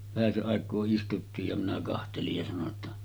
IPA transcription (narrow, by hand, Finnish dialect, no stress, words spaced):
ʋæhæseʔ ʔɑˑekˑoː istutːiːj jɑ minæ kɑhtelij jɑ sɑno tːɑ